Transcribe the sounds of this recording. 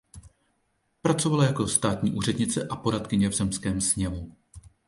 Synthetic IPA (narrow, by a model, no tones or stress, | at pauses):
pɾat͡so̞valajako̞st̪aːt̪ɲiːʔuːr̝ɛdɲɪt͡sɛʔapo̞ɾat̪kɪɲɛvzɛmskɛːmsɲɛvu